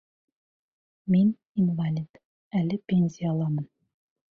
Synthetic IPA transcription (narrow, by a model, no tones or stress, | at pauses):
min | imvalʲit̪ | ælɘpʲenʲzʲijəːlˠɑmɤn